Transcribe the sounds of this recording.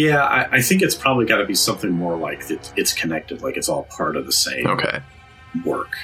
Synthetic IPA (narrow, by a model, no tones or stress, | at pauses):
jæa̰ɪʔaɪθɪ̃ŋkɨtspʰɹ̥ɑbəbliɡɑɾɨbisʌ̃mθɪ̃ŋmɔɹlaɪkðɨtɨtskʰɨnɛk̚tɨd̥laɪkɨtsɔlˠpʰɑɹɾʌ̰vðəsḛ̃ɪ̃oʊmkʰḛɪ | wɜ̰˞k